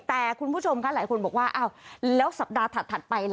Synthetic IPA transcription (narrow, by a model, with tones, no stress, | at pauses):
t̪ɛː˨˩kʰu˧npʰu˥˩t͡ɕʰo˧mkʰaː˦˥laː˨˦jko˧nbɔː˨˩k̚waː˥˩ʔaː˧˩wlɛː˨˦˥wsa˨˩p̚ɗaː˧t̪ʰa˨˩t̪ʰːa˨˩t̚pa˧jl